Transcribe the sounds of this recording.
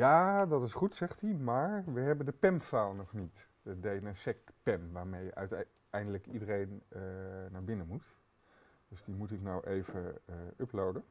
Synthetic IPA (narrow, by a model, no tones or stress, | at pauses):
jaːdɑtɪsχutsɛχtimaːɹʋəɦɛbəndəpɛmfaːlˠnɔχnitdədejnənsɛkpɛmʋaːɹmejə̰ʔa̰t | ɛjndələkidərejnənaːɹbɪnəmut | d̥ɵzdimutɪknawʔejvəəɵplowdən